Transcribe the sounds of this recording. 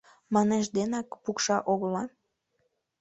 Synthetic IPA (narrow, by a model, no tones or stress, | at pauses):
mɑneʃd̪enɑkpukʃɑʔoɣlɑn